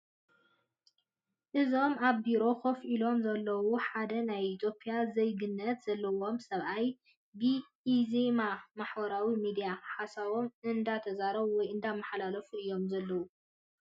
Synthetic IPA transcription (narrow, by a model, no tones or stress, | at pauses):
ʔɨzo̞maβbiɾo̞xofʔilo̞mzɐlːɐwuħad̪ɐnajit̪ʰjo̞pʰijazɐjɡɨnːɐt̪z̥ɐlːɐwo̞msɐβʔaj | bi | izemamaħbɐɾawimid̪ijaħasaβo̞mʔɨnd̪at̪ʰɐzaɾɐβwɔjʔɨnd̪amaħlalɐfuɨjːo̞mzɐlːɐwu